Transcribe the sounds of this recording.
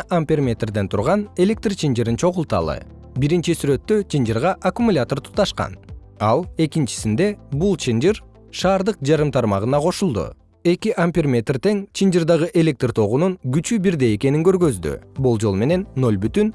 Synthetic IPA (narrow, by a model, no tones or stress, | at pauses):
ʔampʲermʲe̞t̪rd̪e̞nt̪ʰuɾʁɑne̞lʲe̞k̚t̪rt͡ʃʰind͡ʒiɾint͡ʃʰo̞ʁulˠt̪ɑ̰lˠɯ̰ | biɾint͡ʃisyɾø̞t̪ːø̞t͡ʃʰind͡ʒiɾʁɑʔakumulʲat̪o̞rt̪ʰu̥t̪ːɑʃqɑ̰n | ɑlˠe̞kint͡ʃi̥sind̪e̞bulˠt͡ʃʰind͡ʒiɾ | ʃɑːɾd̪ɯq̚d͡ʒɑɾɯmt̪ʰɑɾmɑʁɯnɑqʰo̞ʃulˠd̪ṵ | e̞kiʔampʲirmʲe̞t̪rt̪e̞ŋt͡ʃʰind͡ʒɨrd̪ɑʁɯʔe̞lʲe̞k̚t̪rt̪ʰo̞ʁununɡyt͡ʃybiɾd̪e̞je̞ke̞niŋɡø̞ɾɡø̞zd̪y̰bulˠd͡ʒo̞lˠme̞ne̞nːo̞lʲbyt̪yn